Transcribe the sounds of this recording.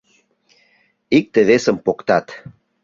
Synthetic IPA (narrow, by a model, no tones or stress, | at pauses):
ik̚t̪eβesəmpokt̪ɑt̪